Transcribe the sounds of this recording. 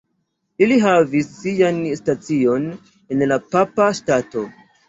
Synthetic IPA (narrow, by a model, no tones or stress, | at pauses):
iliɦavisːijanstat͡sio̞n | e̞nlapapastato̞